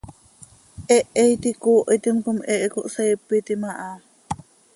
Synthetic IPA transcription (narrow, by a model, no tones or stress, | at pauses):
ʔeʔejt̪ikuːʔit̪imkumeʔkoʔsejpːit̪imaʔa